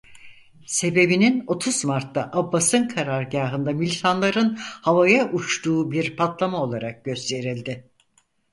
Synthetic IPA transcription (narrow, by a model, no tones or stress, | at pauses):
se̞be̞binino̞t̪ʰuzmaɾt̪ːaʔabːasɯnkʰaɾaɾɟaːɦɯnd̪amilʲit̪ʰanlˠaɾɯnhavajaʔut͡ʃt̪uːbiɾpʰat̪lˠamao̞lˠaɾak̚ɟø̞st̪ʰe̞ɾilʲd̪ɪ